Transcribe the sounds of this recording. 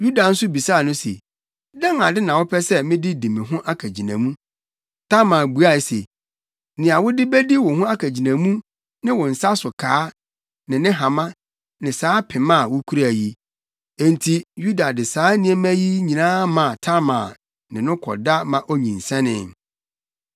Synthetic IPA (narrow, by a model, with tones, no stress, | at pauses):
ju˦da˨n̩˦sʊ˦bi˨saː˦˨nʊ̃˦sḛ˨ | dã˦ŋa˨dɪ˦nã˨wʊ˦pʰɛ˦sɛ˦mɪ̃˦dɪ˦dĩ˨mɪ̃˨ɦʊ̃˦ʔa˦kʰæ˨d͡ʑi˨nã̰˨mũ˦ | tʰa˦mãː˨bu˨a˦˨se˨ | nɪ̃˨a˨wʊ˦dɪ˦bæ˦di˦wʊ˨ɦʊ̃˦a˦kʰæ˨d͡ʑi˨nã˨mũ˦ | nɪ̃˦wʊ̃˨n̩˨sa˦sʊ˨kʰaː˦ | nɪ̃˨nɪ̃˦ɦã˨mã˦ | nɪ̃˨saː˦pʰɪ˨mã˦˨wʊ˦kʰu˦ɾæ˨ji˦ | e˨n˨tʰi˨ju˦da˨dɪ˨saː˨˦nĩ˦ɛ˦mæ̃˦ji˦ɲĩ˨nãː˦mã˨tʰa˦mã̰ː˨ | nɪ̃˨nʊ̃˦kʰɔ̰˨da˦mã˨ʔo˦ɲĩ˨n̩˨sɛ̃˦nɪ̰̃˦˨m